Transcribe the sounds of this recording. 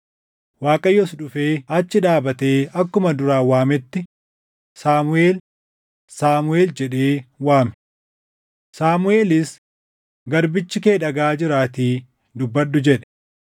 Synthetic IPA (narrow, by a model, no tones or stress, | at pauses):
waːkʼɐjːɔsᶑʊfeːɐt͡ʃːɪᶑaːbɐt̪e̞ːɐkːʊmɐd̪ʊɾaːwaːmɛt̪ːɪ | saːmʊe̞ːl | saːmʊeːld͡ʒɛᶑe̞ːwaːmɛ̥ | saːmʊe̞ːlɪs | ɡɐɾbɪt͡ʃːɪke̞ːᶑɐɡaːd͡ʒɪɾaːt̪iː | d̪ʊbːɐɗːʊd͡ʒɛᶑɛ̥